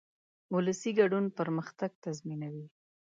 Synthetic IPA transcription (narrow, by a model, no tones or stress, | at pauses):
ʊləsiɡaɖunpəɾməxt̪aɡ̚t̪azminawi